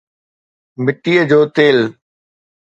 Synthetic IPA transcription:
mɪʈiːəd͡ʑoːt̪eːl

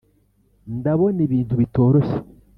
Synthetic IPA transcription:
ndaβo̞niβiːntuβito̞ːɾose̥

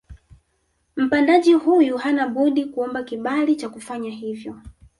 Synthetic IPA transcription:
m̩pandaʄihujuhanaɓuɗikuɔmbakiɓalit͡ʃakufaɲaɦivjɔ

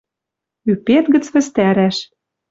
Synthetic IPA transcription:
ypet̪ɣə̆t͡sβɘ̆st̪æɾæʃ

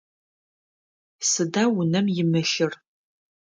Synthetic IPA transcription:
sɨdaːwʊnɐmjɪmɨʃɪr

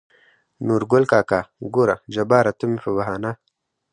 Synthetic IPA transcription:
nuɾɡʊlkaːkaːɡoːɾad͡ʒɐbaːɾat̪umifɐbɐɦaːna

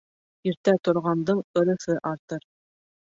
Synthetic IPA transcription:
iɾt̪æt̪ŏɾʁɑnd̪ɤɴɤ̆ɾɤ̆θɘʔɑɾt̪ɤɾ

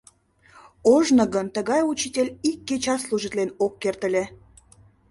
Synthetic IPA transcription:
oʒnəɣənt̪əɣɑjut͡ɕitʲelʲikːet͡ɕɑsluʒit̪lenokːert̪ə̆lʲe

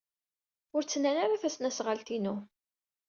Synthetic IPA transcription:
ʊɾt͡sːənːænaɾafæsnæsʁalt̪inu

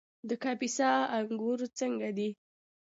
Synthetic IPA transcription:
d̪əkɑpisɑaŋɡuɾt͡səŋɡad̪i

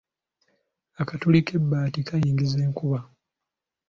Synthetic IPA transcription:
akatulike̞bːaːtikajiːŋɡize̞ːŋkuβa

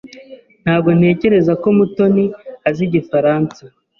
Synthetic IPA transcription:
n̥haːb̚ɡo̞n̥e̞ːce̞ɾe̞zako̞muto̞niaziɟifaɾaːnt͡sa

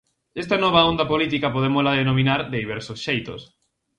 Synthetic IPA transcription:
est̪ɐnɔβ̞aond̪ɐpolit̪ikɐpoð̞emozlaðenomĩnaɾd̪eðiβ̞ɛɾsosʃejt̪o̰s

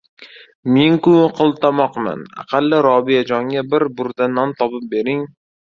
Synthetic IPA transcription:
meŋkʊqʰɨlˠt̪ʰamɒqma̰na̰qʰɑlˠːɪɾɒbijad͡ʒɒŋɡʲabɪɾbʊɾd̪anɒnt̪ʰɒpɪp̚be̞ɾɪŋ

